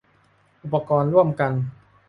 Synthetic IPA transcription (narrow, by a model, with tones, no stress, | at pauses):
ʔu˨˩pːa˧kɔː˧nɾu˥˩əmka˧n